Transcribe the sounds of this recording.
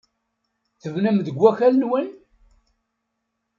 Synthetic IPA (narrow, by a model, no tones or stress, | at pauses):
θəvnæmðəɡʷːæçælənwin